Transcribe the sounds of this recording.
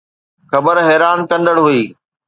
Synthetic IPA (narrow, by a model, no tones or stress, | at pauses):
xɐbəɾɦɛːɾaːnkɐ̃nd̪əɽɦuiː